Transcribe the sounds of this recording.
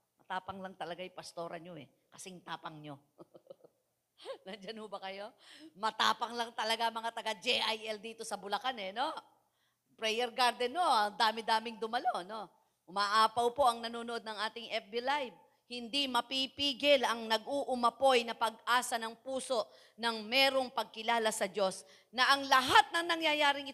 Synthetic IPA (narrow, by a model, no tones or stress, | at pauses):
mɐt̪aːpɐŋlɐŋt̪ɐlɐɡajʊpɐst̪o̞ːɾɐɲoɛ | kɐsɛŋt̪aːpɐŋɲo̞ | nɐnd͡ʒanhʊbɐkɐjo̞mɐt̪a̰ːpɐŋlɐŋt̪ɐlɐɡamɐŋat̪ɐɡad͡ʒɛʔajʔɛld̪iːt̪osɐbʊlɐkanɛno̞ | pɾɛjɛɾɡaɾd̪ɛnːoɐŋd̪aːmɪd̪aːmɪŋd̪ʊmɐlo̞ʔɐno̞ | ʔʊmaʔaːpɐwpo̞ʔɐŋnɐnuːnoʔod̪̚nɐŋʔaːt̪ɪŋʔɛp̚bɪlajb̚ | hɪnd̪imɐpipiːɡɪlɐŋnɐɡʔuʔʊmɐpo̞jnɐpɐɡ̚ʔaːsɐnɐŋpuːso̞ʔ | nɐŋmɛːɾo̞ŋpɐɡ̚kɪlaːlɐsɐd͡ʒo̞s | nɐʔɐŋlɐɦat̪̚nɐŋnɐŋjajaːɾɪŋɪ